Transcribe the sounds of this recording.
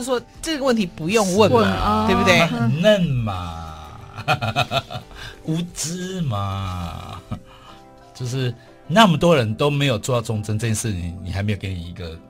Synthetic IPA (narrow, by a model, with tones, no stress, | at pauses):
swɔ˦ | ʈ͡ʂə˥˩ɡə˩wə˥˨nt̪ʰi˨˩pu˨˧˦jo˥˧ŋwə˥˨nə˥˨t̪we˥˩ɪbu˧t̪we˥˩nə˥˨˩nma˨˩ | u˨˥t͡sɹ̩˦ma˨ | t͡ɕjo˥˧ʊʂɻ̩˥˨ | na˥˨mə˨˩t̪wɔ˦ɻə˨˦nt̪o˥˦ʊme˧˥ɪjo˨˩ʊt͡swɔ˥˧t̪ʈ͡ʂɔ˥˧˥ŋt͡sə˧˦nʈ͡ʂɤ˥˧t͡ɕjɛ˥nʂɻ̩˥˩t͡ɕʰi˨˦ŋni˨˩xa˧˦ɪme˧˥jkə˧˥ni˨i˨˦˥ɡə˨